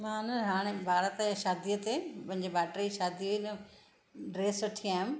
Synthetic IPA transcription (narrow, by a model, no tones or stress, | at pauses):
mãːnɐɦaːɽ̃ebʱaːɾət̪ʃaːd̪ijət̪epɐ̃ɦɪ̃ɲd͡ʑebaːʈɾiʃaːd̪ijoinɐ | ɖɾeːsʋɐʈʰiaːjum